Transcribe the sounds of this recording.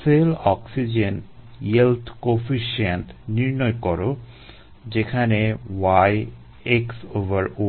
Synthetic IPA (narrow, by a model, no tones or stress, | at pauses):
selɔksid͡ʑen | jelt̪ʰkofiʃent̪ʰniɾnɔjkɔɾo | d͡ʑekʰanewaj | eksovaɾo